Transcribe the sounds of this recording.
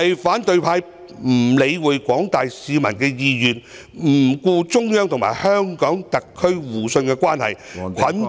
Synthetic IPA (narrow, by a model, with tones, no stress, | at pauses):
ɐ˨jfaː˨˥nt̪ɵ˧ɥpʰaː˧j | m̩˨˩le˨˧jwuː˨˧jkʷɔː˨˥ŋt̪aː˨jsiː˨˧mɐ˨˩nkɛː˧jiː˧jyː˨˩n | m̩ː˨˩kuː˧t͡sʊ˥ŋjœː˥ŋt̪ʰʊ˨ŋma̰ː˨˩jhœː˥ŋkɔː˨˥ŋt̪ɐ˨kʰːɵ˥ɥwuː˨˩sɵ˧nkɛː˧kʷaː˥nhɐ̰˨jkʷʰɐ˨˥n